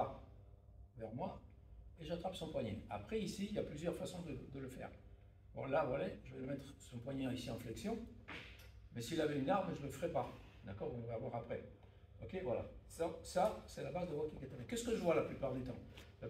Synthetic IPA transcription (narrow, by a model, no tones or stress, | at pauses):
a | vɛʁmwa | eʒat̪χapsɔ̃pwaɲɛ̃a̰pχɛisiiljaplyzjœʁfasɔ̃d̪əd̪ələfɛ̰ːʁ | bɔ̰lavwajaʒəvɛləmɛt̪χsɔ̃pwaɲɛ̃isiɑ̃flɛksjɔ̃ | mɛsiːlavɛynaʁmʒələfəʁɛpa | d̪akɔʁɔ̃vɛavwaʁapχɛ | ɔkʲevwala̰sasasɛlabazd̪əvwakikat̪alɛkːɛskəʒəvwalaplypaʁd̪yt̪ɑ̃ | a